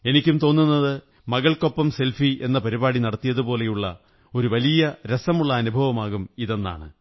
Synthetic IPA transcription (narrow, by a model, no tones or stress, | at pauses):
e̞nikʲːumt̪o̞ːnːunːɐðɨ | mɐɣɐɭko̞pːɐmse̞lfie̞̰nːɐpɐɾibaːɽinɐɽɐt̪ːijɐðupo̞ːle̞juɭːɐ | o̞ɾuʋɐlijɐɾesɐmuɭːɐːnubʱɐʋɐmaːɣumiðe̞nːa̰ːɳɨ